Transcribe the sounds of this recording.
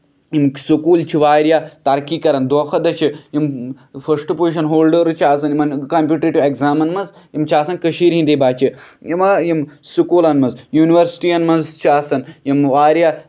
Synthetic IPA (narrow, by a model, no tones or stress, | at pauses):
jimsukuːlt͡ʃʰiʋaːɾjaːt̪ɐɾkiːkɐɾɐnd̪oːxʰɐd̪ɐt͡ʃʰijim | fʰɐsʈɨpoiʃɐnɦoːlɖəɾɨt͡ʃʰaːsɐnjimɐnkɐmpʲjuːʈɾeʈʲiʋeɡzaːmɐnmɐz | jimt͡ʃʰaːsɐnkəʃiːɾɦĩnd̪eːbaːt͡ʃijimɐjimsukuːlɐnmɐzjuːniʋɐɾsi̥ʈiːɐnmɐnzt͡ʃʰaːsɐnjimʋaːɾjaː